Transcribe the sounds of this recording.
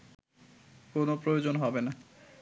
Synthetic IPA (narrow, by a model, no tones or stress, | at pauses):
konopɾojod͡ʑonɦɔbena